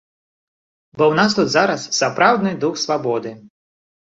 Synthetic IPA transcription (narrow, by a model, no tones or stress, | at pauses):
bɔwnas̬t̪ut̪zaɾɐsːsɐpɾawd̪nɨjd̪uxsʋabɔd̪ɪ